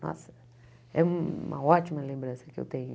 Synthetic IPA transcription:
nɔ̰sɐ | ɛũmɐ̰ɔt͡ʃimɐlẽmbɾɐ̃sɐ̥kɪḛwt̪ẽɲʊ

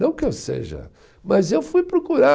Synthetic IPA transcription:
ɐ̃w̃kɪewsḛʒɐ̰ | mɐzewfujpɾokuɾa

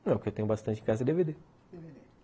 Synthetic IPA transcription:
ɛʊkewt̪ẽɲ̃ʊbast̪ɐ̃nt͡ʃɪĩkazɐd̪eved̪e | d̪eved̪e

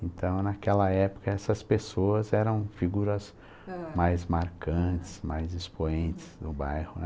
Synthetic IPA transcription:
ẽnt̪ɐ̃w̃nakɛlɐɛpʊ̥kɐɛsɐspesoɐzɛɾɐ̃w̃fiɡuɾɐz | majzmaɾkɐ̃t͡ʃɪ̥z̥majzɪspoẽnt͡ʃɪ̥z̥d̪ʊbajhʊnɛ

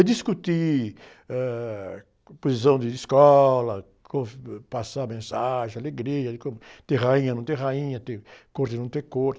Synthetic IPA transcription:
d̪iskut̪i | ɛ | pozisɐ̃w̃d̪ɪiskɔlɐ | kõmʊpasamẽsaʒẽj̃aleɡɾiɐd̪ɪkõmʊt̪ẽhaĩɲɐnɐ̃w̃t̪ẽhaĩɲɐt̪ẽkoɾt̪ɪnɐ̃w̃t̪ẽkoɾt̪

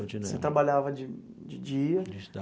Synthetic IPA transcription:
iset̪ɾabaʎavɐd͡ʒɪ | d͡ʒɪd͡ʒiɐd͡ʒi

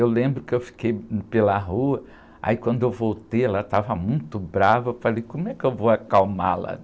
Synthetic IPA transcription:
ewlẽmbɾʊkɪewfi̥kejpelɐɦuɐ | a̰ikwɐ̃nd̪ʊewvowt̪ejalat̪avɐmũj̃t̪ʊbɾavɐewfalejkõmʊɛkɪewvoɐkawma̰lɐ̰

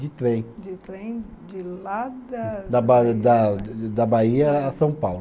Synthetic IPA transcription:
d͡ʒɪt̪ɾẽj̃d͡ʒɪt̪ɾẽj̃d͡ʒɪlad̪ɐd̪ɐbad̪ɐd̪ɐbaiɐːsɐ̃w̃pawl

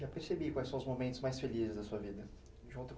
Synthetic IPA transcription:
apeɾsebikwajsɐ̃w̃ʊzmomẽnt̪ʊzmajsfelizɪzd̪ɐsuɐvid̪ɐ | ʒũt̪ʊk

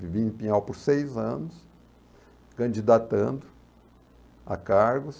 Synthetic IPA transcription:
ivĩɪ̃pĩɲawpʊɾsejzɐ̃nʊs | kɐ̃nd͡ʒid̪at̪ɐ̃nd̪ʊ | a̰kaɾɡʊs

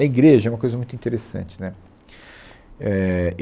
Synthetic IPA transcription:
ɐiɡɾeʒɐɛũmɐkojzɐmũj̃t̪uĩt̪eɾesɐ̰̃t͡ʃɪ̥nɛ | ɛ

